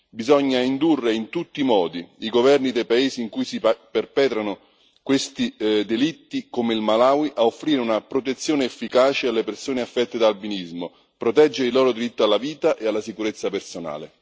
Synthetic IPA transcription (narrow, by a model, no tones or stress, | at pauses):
bizɔɲːaind̪urːeint̪ut̪ːimɔːd̪iiɡovɛrnid̪ejpaeːziːŋkujsiperpɛːt̪ɾanʊ | kwest̪id̪elit̪ːikomeilmalaːwiʔaofːɾiːɾeunapɾot̪̬et̪sːjoːneːfːikaːt͡ʃealːepersoːneafːɛt̪ːed̪albinizmo | pɾot̪ɛd͡ʒːeɾɪilɔːɾod̪iɾit̪ːoalːaviːt̪aʔealːasikuɾet̪sːapersona̰ːlḛ